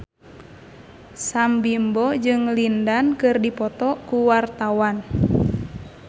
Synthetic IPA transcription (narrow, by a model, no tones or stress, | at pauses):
sambimbɔd͡ʒɨŋlindankɨrdipɔt̪ɔkuwart̪awan